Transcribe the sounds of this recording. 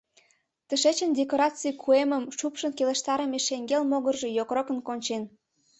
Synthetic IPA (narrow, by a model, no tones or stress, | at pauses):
t̪əʃet͡ɕənd̪ʲekoɾɑt͡sikʰueməmʃupʃənkeleʃt̪ɑɾəmeʃeŋɡelmoɣərʒejokrokə̆nkonʲt͡ɕen